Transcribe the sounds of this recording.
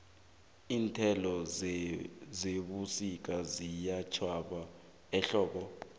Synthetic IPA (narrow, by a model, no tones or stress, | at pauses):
iːntʰɛlɔ | zeɓusik̬azijat͡ʃʰwaɓa | ɛɬɔːɓɔ